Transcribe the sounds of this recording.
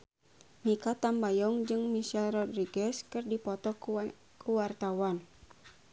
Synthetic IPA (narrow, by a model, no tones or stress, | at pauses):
nikat̪ambajɔŋd͡ʒɨŋmiʃɛlrɔdriɡɛskɨrdipɔt̪ɔ | kʰuwart̪awan